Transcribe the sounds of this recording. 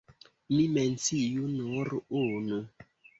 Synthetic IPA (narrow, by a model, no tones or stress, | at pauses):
mĩmɛnsijunoɾonu